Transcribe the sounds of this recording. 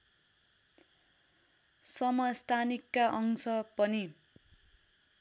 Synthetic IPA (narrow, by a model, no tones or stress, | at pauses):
sʌmʌjst̪ʰanikːaʔʌŋsʌpʌni